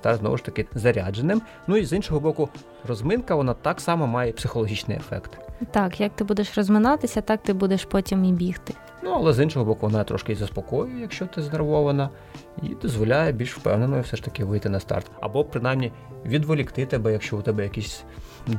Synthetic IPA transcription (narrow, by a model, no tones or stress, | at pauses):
t̪ɑrznɔ̰ʋʊʃt̪ɐkɪzɐɾʲad͡ʒenɪm | nuizinʃɔɦɔbɔkʊ | rɔzmɪnkɐʋɔnɑt̪ɑksɑmɐmɑjɛpsɪxɔlˠɔɦʲit͡ʃnɪ̰jefɛ̰kt̪t̪ɑkjɐk̚t̪ɪbud̪eʃrɔzmɪnɑt̪ɪsʲɐt̪ɑk̚t̪ɪbud̪eʃpɔtʲimibʲixt̪ɪ | nuɐlˠɛzinʃɔɦɔbɔkʊʋɔnɑt̪ɾɔ̰ʃkɪzɐspɔkɔjʊjɛjɐkʃt͡ʃɔt̪ɪzɐnerʋɔʋɐnɐ | ḭd̪ɔzʋɔlʲajɛbʲilʲʃwpɛ̰wnenɔjʊwsɛʃt̪ɐkɪʋɪjt̪ɪnɐst̪ɑ̰rt̪ɐ̰bɔpɾɪnɑjmnʲi | ʋʲid̪ʋɔlʲikt̪ɪt̪ɛbɛjɐkʃt͡ʃɔʊt̪ɛbɛjɐkisʲ